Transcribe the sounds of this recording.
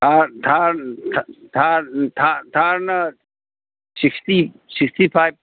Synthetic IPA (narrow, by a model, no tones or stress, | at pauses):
aɾt̪ʰaɾt̪ʰt̪ʰaɾt̪ʰat̪ʰaɾnə | sɪkst̪i | sikst̪ipʰajb̚